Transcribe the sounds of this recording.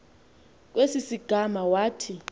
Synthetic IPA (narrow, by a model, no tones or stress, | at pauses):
k̬ʼwesisiɡ̥ʱamawaːtʰi